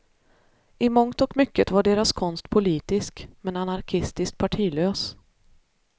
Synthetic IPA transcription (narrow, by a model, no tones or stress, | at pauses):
ɪmɔŋt̪ɔkmʏkːət̪vaɖeːɾaskʰɔnst̪pʰʊliːt̪ɪskmɛnanaɾkʰɪst̪ɪskt̪̚pʰaʈʰiːløːs